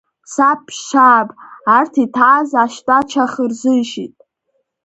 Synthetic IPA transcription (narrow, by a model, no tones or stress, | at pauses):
sapʰːʷaːpʼartʰitʰaaːzaʃtʼat͡ʃʰaχərzɨʃitʼ